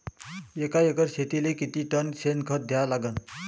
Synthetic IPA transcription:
ekaekəɾɕet̪ilekit̪iːʈənsenkʰəɾ̚d̪ʱjalaɡən

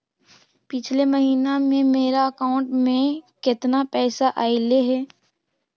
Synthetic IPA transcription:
pɪt͡ʃʰleməɦiːnemẽmeːɾaɐkaːʊ̃ɳʈmẽkɪt̪napɛːsaʔaːɪleɦɛː

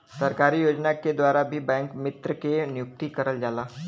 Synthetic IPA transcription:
səɾkaɾiːjod͡ʒnaked̪ʋaɾabʱiːbɛ̃ŋkmit̪ɾəkenijuk̚t̪iːkəɾəld͡zala

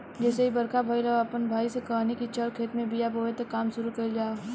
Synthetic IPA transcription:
d͡ʒɛːseɦibɐɾkʰabʱaːilaapənbʱaːisekanikit͡ʃəɾkʰeːt̪mẽbijaboʋet̪ɐkːaːmʃʊɾukɐid͡ʒaː

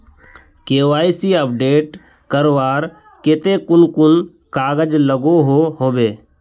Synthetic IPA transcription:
keːʋaːisiːəp̚ɖeːʈ | kəɾʋaːɾ | ket̪eːkʊnkʊn | kaːɡəd͡ʒləɡoɦoːɦoːbeː

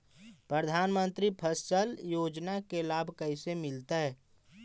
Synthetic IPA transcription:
pɾəd̪ʱaːnmə̃nt̪ɾipʰəst͡ʃəljoːd͡ʒnakelaːbʱkəisemɪlt̪aɦɛː

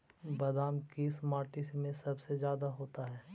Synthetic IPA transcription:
bɐd̪aːmkismaːɾʈɪsmẽsɐbsezjaːd̪aɦoːt̪aɦɛː

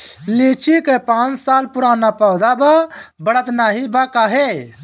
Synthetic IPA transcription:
lit͡ʃʰikepãːt͡ʃsaːlpʊɾaːnapəwd̪ababəɽət̪naːɦibakaːɦe

